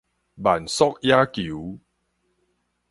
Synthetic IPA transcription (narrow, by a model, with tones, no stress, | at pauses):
ba˨˩nsɔ˦k̚ja˦ki˨˦